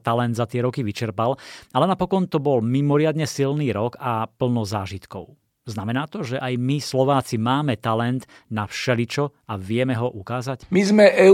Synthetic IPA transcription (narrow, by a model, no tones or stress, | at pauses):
t̪alɛnd̪zat̪ɪɛɾɔkiʋit͡ʃɛɾpalalɛnapɔkɔnt̪ɔbɔlmimɔɾɪad̪ɲɛsilniːɾɔkapl̩nɔzaːʒit̪kɔ̰ʊ | znamɛnaːt̪ɔʒɛʔajmislɔʋaːt͡simaːmɛt̪alɛnt̪nafʃɛlit͡ʃɔaʋɪɛmɛɦɔʔukaːzacmizmɛʔɛ